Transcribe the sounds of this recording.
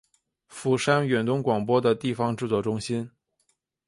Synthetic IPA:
fu˨˩ʂa˥nɥɛ˨˩nt̪ʊ˥ŋkwɑ˨˩ŋpwɔ˥d̪ə˨t̪i˥˩fɑ˧ŋʈ͡ʂɻ̩˥˧t͡swɔ˥˩ʈ͡ʂʊ˥ŋɕi˥n

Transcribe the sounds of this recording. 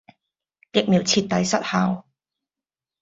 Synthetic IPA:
kɪ˨˩k̚miː˨˩wt͡sʰiː˧t̪̚ːɐ˨˥jsɐ˥t̚haː˨˧w

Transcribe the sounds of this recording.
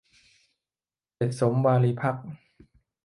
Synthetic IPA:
te˨˩t̪̚so˩˦mwaː˧liː˧pʰa˦˥k̚

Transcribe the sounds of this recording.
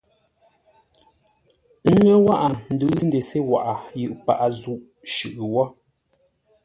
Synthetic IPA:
ŋɛ˦wa˦ʔa˨n̩˨dʉ˨˦n˦de˨se˦wa̰˨ʔa˨jɯ˨ʔpa̰˨ʔa˨zu˨ʔ | ʃʉ˨ʔwɔ˦

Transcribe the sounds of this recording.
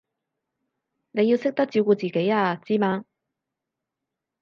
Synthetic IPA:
ne˨˧ji˧wsɪ˥k̚t̪ɐ˥k̚t͡siː˧wkuː˧t͡siː˨ke˨˥jaː˧t͡siː˥maː˧

